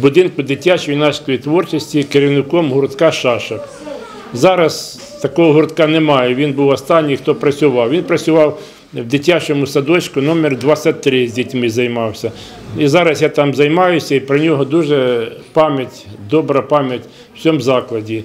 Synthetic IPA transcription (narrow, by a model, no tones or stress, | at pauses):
bʊd̪ɪnkʊd̪ɪtʲat͡ʃɔjnɑsʲkɔjit̪ʋɔrt͡ʃɔsʲtʲikeɾʲɪwnɪkɔmɦʊrt̪kɑʃɑʃɐk | zɑɾɐs | t̪ɐkɔɦɔɦʊrt̪kɑnɛmɑjɛʋʲinbuwɐst̪ɑnʲːijxt̪ɔpɾɐt͡sʲʊʋɑwʋʲinpɾɐt͡sʲʊʋɑw | wd̪ɪtʲat͡ʃɔmʊsɐd̪ɔt͡ʃʲkʊnɔmʲɛrd̪ʋɑsʲɐt̚ʲt̪ːɾɪzʲdʲitʲmɪzɐjmɑwsʲɐ | izɑɾɐsjat̪ɑmzɐjmɑjʊsʲɐipɾɔnʲɔɦɔd̪uʒɛpɑmʲjɐtʲd̪ɔbɾɐpɑmʲjɐtʲ | w̥t͡sʲɔmzɑklˠɐdʲi